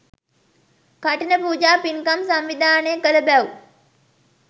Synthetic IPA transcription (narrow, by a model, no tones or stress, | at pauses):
kaʈinəpuːd͡ʒaːpiŋkamsamʋid̪ʱaːnekələbæu